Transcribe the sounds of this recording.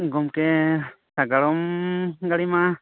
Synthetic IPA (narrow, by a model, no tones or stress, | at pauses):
ɡɔmkɛsaɡaɭɔmɡaɽima